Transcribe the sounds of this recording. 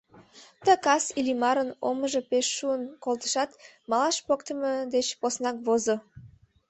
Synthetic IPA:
t̪əkɑsilimɑɾənoməʒəpeʃːuənkolt̪ə̥ʃɑt̪ | mɑlɑʃpokt̪əməd̪et͡ɕposnɑkβozo

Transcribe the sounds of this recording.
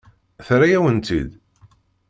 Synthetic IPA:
θɾajæwənt̪ḭd̪

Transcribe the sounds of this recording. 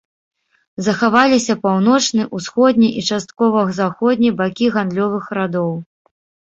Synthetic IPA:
zɐxavalʲisʲɐpawn̪ɔt͡ʂnɨʔusxɔd̪ʲnʲiʔit͡ʂast̪̚kɔvɐɣzaxɔd̪ʲnʲibakʲiɣand̪lʲɔvɨxɾad̪ɔw

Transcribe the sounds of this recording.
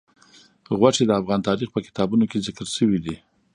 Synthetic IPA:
ɣwaʈ͡ʂed̪əafɣɑnt̪ɑɾixpəkɪ̥t̪ɑbunokezɪkəɾʃəwid̪i

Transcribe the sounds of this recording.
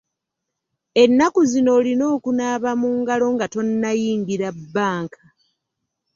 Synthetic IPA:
e̞nːakuzino̞ːlino̞ːkunaːβamuːŋɡalo̞ŋɡato̞nːajiːŋɡiɾabːaːŋkʰḁ

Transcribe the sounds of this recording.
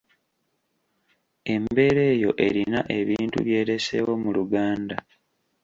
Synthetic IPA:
e̞mbe̞ːɾe̞ːjo̞̰ʔe̞ɾinaʔe̞βiːntṵβje̞ːɾe̞se̞̰wo̞muluɡaːnda

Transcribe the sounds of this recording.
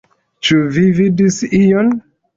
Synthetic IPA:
t͡ʃuvividisijon

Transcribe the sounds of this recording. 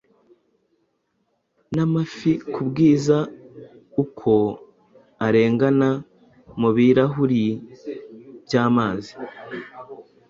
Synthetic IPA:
namafikubɡiːza | ukʰo̞ | aɾe̞ːŋɡana | muβiɾaɦuɾi | b̥jaːmaːzi̥

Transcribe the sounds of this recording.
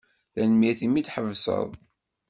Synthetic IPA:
θænəmjiθimid̪ħəvsə̰ðˤ

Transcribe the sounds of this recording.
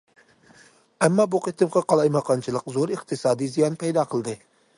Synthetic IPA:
æmːɑbuqet̪ʰɨmqɑqʰɑlˠɑjmɑqʰɑnt͡ʃʰɨlˠəqzoɾɨqt̪ʰɨsɑːd̪izijɑnpʰɛjd̪ɑqʰəlˠd̪ɨ

